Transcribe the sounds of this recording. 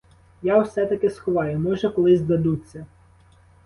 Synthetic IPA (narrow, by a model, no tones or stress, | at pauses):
jawsɛt̪ɐkɪsxʊʋɑjʊmɔʒɛkɔlˠɪzʲd̪ɐd̪ut͡sʲːɐ